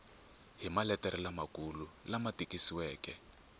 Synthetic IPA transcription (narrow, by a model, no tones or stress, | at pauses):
ɦimalɛtʼɛɾilamakululamatʼikisiwɛːkɛ